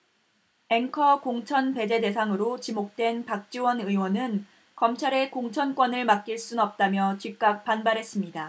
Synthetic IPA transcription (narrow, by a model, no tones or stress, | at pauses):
e̞ŋkʰʌkoŋt͡ɕʰʌnpe̞d͡ʑe̞de̞sʰaŋɯɾot͡ɕimok̚t͈we̞npak̚t͡ɕ͈iwʌnɯiwʌnɯn | kʌmt͡ɕʰaɾe̞koŋt͡ɕʰʌnk͈wʌnɯɭmak̚k͈iɭs͈unʌp̚t͈amjʌt͡ɕik̚k͈ak̚p͈anbaɾɦe̞s͈ɯmɲida